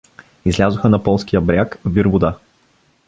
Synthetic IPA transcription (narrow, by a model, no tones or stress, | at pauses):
izlʲazʊxənɐpɔlˠskijəbɾʲakviɾvʊd̪a